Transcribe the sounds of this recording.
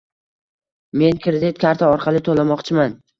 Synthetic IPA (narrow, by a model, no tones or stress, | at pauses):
me̞nkʰʲɾɪd̪ɪt̪̚kʲʰaɾt̪ʰaɒɾqʰɑlˠɪt̪ʰolˠamɒqt͡ʃʰɪman